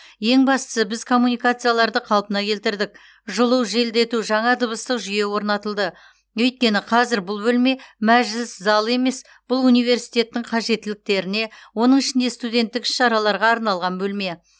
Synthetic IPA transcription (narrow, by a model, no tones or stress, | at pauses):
je̞ŋbɑst̪ə̥səbɪzkʰo̞mːunijkat̪sɨjalˠɑɾd̪əqʰɑlˠpənɑkʲʰe̞lt̪ɪɾd̪ɪk̚ | ʒʊlˠəwʒe̞ld̪e̞t̪uʒɑɴɑd̪əβəst̪əqʒʏje̞wo̞ɾnɑt̪əlˠd̪ə | ɵjt̪̚kʲe̞nɪqʰɑzɪɾbʊlˠbɵlme̞mæʒɪlɪszɑlˠe̞me̞s | b̥ʊlˠunijve̞ɾsijt̪e̞t̪ːɪŋqʰɑʒe̞t̪ːɪlɪk̚t̪e̞ɾɪne̞wo̞nəɴɪʃɪnd̪e̞st̪ud̪e̞nt̪ːɪkɪ̥ʃːɑɾɑlˠɑɾʁɑːɾnɑlˠʁɑnbɵlme̞